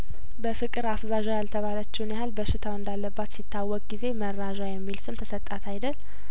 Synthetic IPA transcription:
bəfɨkʼɨɾafzaʒajalt̪ʰəβalət͡ʃːɛwnjahalbəʃɪt̪ʰawɨnd̪alːəbːat̪sit̪ʰːawːɔkʼɡize̞mərːaʒajɛmːilsɨmt̪ʰəsət̪ʼːat̪ʰajd̪əl

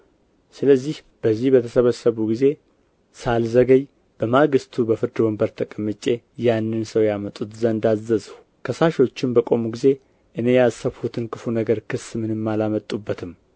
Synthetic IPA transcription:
sɨləzːih | b̥əzːihbət̪ʰəsəβəsːəβuɡize̞ | salzəɡəɲ | b̥əmaɡɨst̪ʰubəfɨɾd̪ɨbəmbəɾt̪ʰəkʼəmːɨt͡ʃʼːe̞ | janːɨnsəwjamət̪ʼut̪zənd̪azːəz | kʰəsaʃo̞t͡ʃːɪmbəkʼo̞muɡize̞ | ʔɨne̞jazsəβhut̪ʰɨnkʰɨfunəɡəɾkʰɨsmɨnɨmːalamət̪ʼːubːət̪ʰɨm

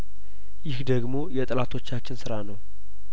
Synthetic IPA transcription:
jɪhd̪əɡmo̞jɛt̪ʼlat̪ʰo̞t͡ʃːat͡ʃːɪnsɨɾanəw

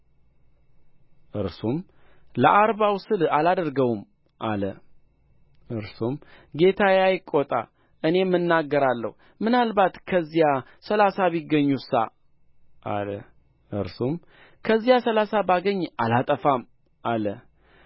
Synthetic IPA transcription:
ʔɨɾsum | ləʔaɾβawsɨlalad̪əɾɡəwm | ʔa̰lə | ʔɨɾsumɡe̞t̪ʰajajɪkʼːot̪ʼa̰ | ʔɨne̞mːɨnːaɡːəɾalːə̰hu | mɨnalbat̪kʰəzːija | səlasaβiɡːəɲːusa̰ | ʔa̰lə̰ | ʔɨ̰ɾsum | kʰəzːijasəlasabaɡəɲːalat̪ʼəfam | ʔalə

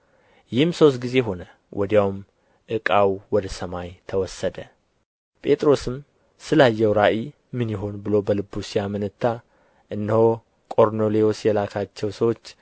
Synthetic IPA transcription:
jɪhɨmso̞s̬t̪̚ɡize̞ɦo̞nə | wʔɔd̪jawm | ʔɨkʼawwɔd̪əsəmajt̪ʰəwɔsːəd̪ə | pʼe̞t̪ʼɾo̞sɨm | sɨlajːɛwɾaʔi | mɨnjɪɦo̞nbɨlo̞bəlɨbːusijamɨnɨt̪ʰːa | ʔɨnːəho | kʼo̞ɾno̞leosjɛlakʰat͡ʃːɛwsəwo̞t͡ʃː

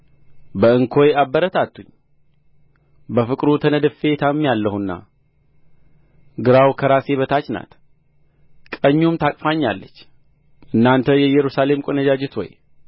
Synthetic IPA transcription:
bəɨŋkʰo̞jabːəɾət̪ʰat̪ʰːuɲː | bəfɨkʼɾut̪ʰənəd̪ɨfe̞t̪ʰamːjalːəhunːa̰ | ɡɨɾawkʰəɾase̞βət̪ʰat͡ʃna̰t̪ | kʼəɲːumt̪ʰakʼfaɲːalːət͡ʃː | ʔɨnːant̪ʰəjɛjɛɾusale̞mkʷʼonəd͡ʒad͡ʒɪt̪ʰo̰j

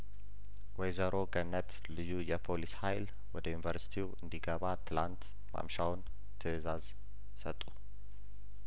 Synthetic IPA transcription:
wɔjzəɾʔo̞ɡənːət̪ | lɨjːujɛpʰolishajl | wɔd̪əjunivəɾsi̥t̪ʰiwɨnd̪iɡəβat̪ʰɨlant̪ | ma̰mʃawn | t̪ʰɨɨzaz | sət̪ʼːu

